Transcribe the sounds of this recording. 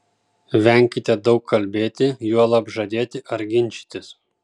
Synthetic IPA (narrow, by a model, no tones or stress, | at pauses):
ʋʲɛŋʲkʲɪt̪ʲɛd̪ɒʊkʰːɐlʲbʲeːt̪ʲɪjuɔlˠɐpʒɐd̪ʲeːt̪ʲɪʔɐɾɡʲɪnʲt͡ʃʲi̥t̪ʲɪs